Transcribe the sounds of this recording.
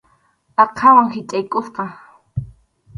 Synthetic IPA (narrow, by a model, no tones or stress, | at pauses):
ɑqʰɑwaŋhɪt͡ʃʼajkʼosqɑ